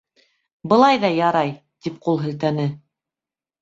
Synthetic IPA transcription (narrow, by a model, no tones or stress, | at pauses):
bɤ̆lˠɑjðɑjɑɾɑj | t̪ip̚qulˠɦɘ̆lt̪ænɘ